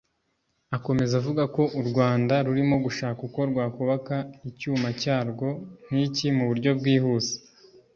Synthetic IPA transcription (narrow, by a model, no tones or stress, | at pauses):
ako̞me̞zavuɡako̞ʔuɾɡwaːndaɾuɾimo̞ɡuʃaːkuko̞ɾɡwaːkuβakaicuːmacaːɾɡo̞n̥icimuβuɾɟo̞bɡiːhuːze̥